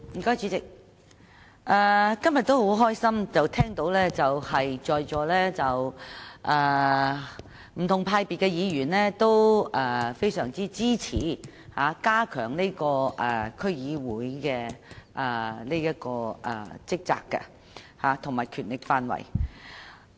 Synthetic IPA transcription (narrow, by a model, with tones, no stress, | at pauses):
m̩i˨˩kɔː˥jt͡syː˨˥t͡sɪ˨k̚ | ʔɛː˧kɐ˥mjɐ˨t̪o˥who˨˥wɦɔː˥jsɐ˥mt͡sɐ˨wt̪ʰɛː˥ŋt̪o˨˥wlɛː˥t͡sɐ˨whɐ˨jt͡ʃɔː˨jt͡ʃɔː˨˧lɛː˥t͡sɐ˨wʔɛː˨ | m̩˨˩t̪ʰʊ˨˩ŋpʰaː˧jpiː˨t̚kːɛ˧jiː˨˧jyː˨˩nlɛː˥t̪o˥wʔɛː˨fe˥jsœː˨˩ŋt͡siː˥t͡siː˥t͡sʰḭː˨˥ | haː˨˧kaː˥kʰœ̰ː˨˩ŋne˥jkɔː˧ʔɛ˨˩kʰɵ˥ɥjiː˨˧wuː˨˥jkɛː˧ʔɛː˨˩le˥jɐ˥t̚kɔː˧ʔɛ̰˨˩t͡sɪ˥k̚t͡sa̰ː˧kːɐ̰˧ | haː˨˧t̪ʰʊ˨˩ŋmaː˨jkʰyː˨˩nlɪ˨k̚faː˧nwɐ̰˨˩j